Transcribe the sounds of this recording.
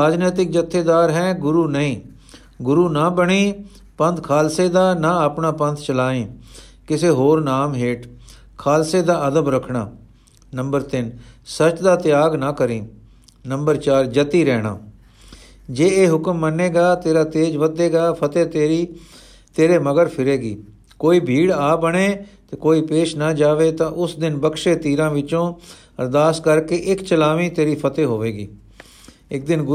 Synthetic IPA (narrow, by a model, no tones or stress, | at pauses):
aːd͡ʒneːt̪ɪk̚d͡ʒət̪ʰːeːd̪aːɾɦɛ̃ːɡʊɾuːnəĩː | ɡʊɾuːnaːbəɽ̃iː | pə̃nd̪kʰaːlseːd̪aːnaːəpnaːpə̃nt̪ʰt͡ʃəlaːẽː | kɪseːɦoːɾnaːmɦeːʈ | kʰaːlseːd̪aːəd̪əbɾəkʰɳaː | nə̃mbəɾt̪ɪnsət͡ʃd̪aːt̪ɪjaːɡnaːkəɾĩː | nəmbəɾt͡ʃaːɾd͡ʒət̪iːɾɛːɽa̰ː | d͡ʒeːeːɦʊkəmːənːeːɡaːt̪eːɾaːt̪eːd͡ʒʋəd̪eːɡaːpʰət̪eːt̪eːɾiː | t̪eːɾeːməɡəɾpʰɪɾeːɡiː | koːiːbʱiːɽaːbəɽeːt̪eːkoːiːpeːʃnaːd͡ʒaːʋeːt̪ãːʔʊsd̪ɪnbəkʃeːt̪iːɾãːʋɪt͡ʃõː | əɾd̪aːskəɾkeːʔɪkt͡ʃəlaːʋĩːt̪eːɾiːpʰət̪eːɦoːʋeːɡiː | ɪk̚d̪ɪnɡʊ